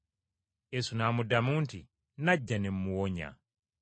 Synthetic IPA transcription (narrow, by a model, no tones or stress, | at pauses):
ɛsunamudamuntʰi | nad͡ʒanɛm̩muwɔːɲa̰